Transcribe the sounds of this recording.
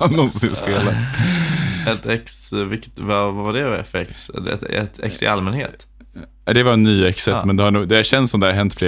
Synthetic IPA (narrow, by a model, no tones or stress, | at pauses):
nɔnssɪnspeːlat̪ | ɛt̪ɛksvɪkət̪vavavaɖɛɛfɾɛksɛ̰ɛ̰t̪ʰɛ̰ksɪ̰ʔalmɛnhḛːt̪ | d̪ɛvaɾɛnːyːɛksɛmɛnd̪ɛhaɳuːɡd̪ɛaɕɛnsɔmd̪ɛhaɾɦɛnt̪fɾeː